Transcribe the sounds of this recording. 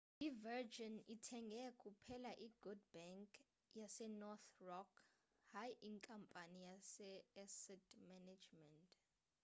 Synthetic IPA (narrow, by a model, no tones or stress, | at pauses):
ivɛd͡ʒɔnitʰɛŋɡʱɛkʼupʰɛlaʔiɡ̥ud̚bɛŋkʼ | jasɛnɔt̪rɔkʰ | hajʔiŋkʼampʼanijasɛɛsɛtʰmɛnad͡ʒmɛntʼ